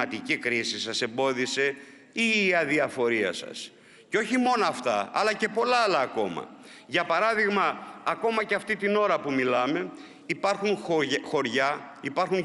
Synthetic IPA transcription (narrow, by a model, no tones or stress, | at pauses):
ɐt̪icikɾisisɐse̞mbo̞ðise̞ | iːɐðiɐfo̞ɾiɐ̰sɐ̰s | ceo̞çimo̞noɐft̪ɐ̰ɐ̰lɐce̞po̞lɐːlɐːko̞mɐ̰ | ʝɐpɐɾɐðiɣmɐːko̞mɐceɐft̪it̪ino̞ɾɐpumilɐme̞ | ipɐɾxunxo̞ɾʝɐipɐɾxun